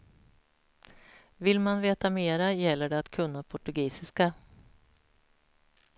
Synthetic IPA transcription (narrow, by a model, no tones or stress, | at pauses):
vɪlmanveːt̪ameːɾajɛlːəɖɛat̪kʰɵnːapʰɔʈɵɡiːsɪska